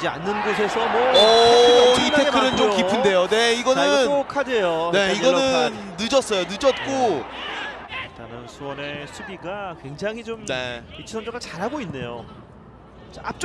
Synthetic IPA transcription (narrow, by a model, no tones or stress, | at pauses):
d͡ʑia̰nːɯnɡosʰe̞sʰʌmwʌʌ | iaeekʰɯɾɯnt͡ɕomkipʰɯnde̞jone̞iɡʌnɯnokʰadejone̞iɡʌnɯnːɯd͡ʑʌs͈ʌjonɯd͡ʑʌt̚k͈o | it͈anɯnsʰuwʌne̞sʰuɡiɡakwe̞ŋd͡ʑaŋɦit͡ɕomne̞̰it͡ɕʰisʰʌnd͡ʑʌɡɯɭt͡ɕaɾɦaɡoinːe̞jo̰ | ap̚t͡ɕ͈